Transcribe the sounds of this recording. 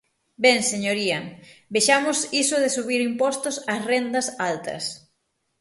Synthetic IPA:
bɛŋseɲoɾiɐbeʃamʊsisʊðɪsuβiɾimpɔst̪ʊsɐsrend̪ɐsalt̪ɐ̰s

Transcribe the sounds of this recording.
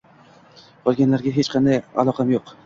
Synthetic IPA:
qʰɒlˠɡʲanlaɾɡʲaɦe̞t͡ʃqʰɑnd̪aja̰lˠɒqʰɑamjoq

